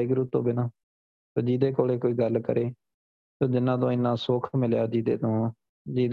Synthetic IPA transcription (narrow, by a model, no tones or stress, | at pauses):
ɪɡɾuːt̪õ̰ːbɪnaː | soːd͡ʒiːd̪eːkoːleːkoːiːɡəlkə̰ɾʔeː | tõːd͡ʒɪnːãːt̪̬õːɪnːãːsoːkʰmɪljaːd͡ʒiːd̪ḛːt̪õː | d͡ʒiːd̪